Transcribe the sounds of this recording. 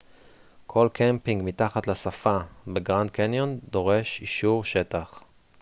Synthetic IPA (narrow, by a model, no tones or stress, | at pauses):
kʰo̞lkʰempiŋɡmit̪aχat̪lasafabeɡʁand̪̚kenjond̪o̞ʁe̞ʃiʃuʁʃe̞t̪aχ